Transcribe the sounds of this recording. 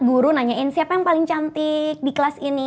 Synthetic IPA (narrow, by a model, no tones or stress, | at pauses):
ɡuɾunaɲaɪnsiapajaŋpalɪŋt͡ʃant̪ɪk̚diklasini